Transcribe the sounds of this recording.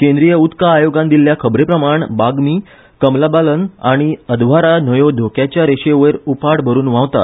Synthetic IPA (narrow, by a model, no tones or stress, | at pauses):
kẽnd̪ɾijəut̪kaːjoɡãnd̪ilːjakʰəbɾepɾəmaɳbaɡmiː | kəmlabalənaɽ̃iəd̪ʋaɾanəjod̪ʱokjat͡ɕjaɾeɕeʋəɾupaɽbʱəɾuːnʋãʋt̪a̰t̪